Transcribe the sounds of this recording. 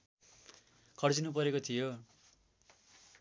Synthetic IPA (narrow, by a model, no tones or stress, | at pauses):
kʰʌɽd͡zinupʌɾekot̪ʰijo